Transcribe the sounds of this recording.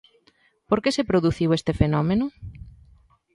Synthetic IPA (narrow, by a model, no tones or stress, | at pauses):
poɾkesepɾoðuθiwest̪efenɔmenʊ